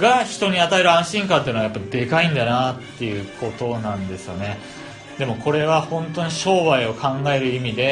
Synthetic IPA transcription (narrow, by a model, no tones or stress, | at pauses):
ɡaçi̥t̪o̞ɲ̟iat̪ae̞ɾɯ̟ãɰ̃ɕĩŋkãnt̪enajapːaid̪e̞kaĩnd̪anat̪ːe̞jɯ̟kʰo̞t̪o̞nãnd̪e̞sɨjo̞ne̞ | d̪e̞mo̞kʰo̞ɾe̞βahõ̞nt̪o̞ɲ̟iɕo̞ːβaio̞kʰãŋɡae̞ɾɯ̟imʲid̪e̞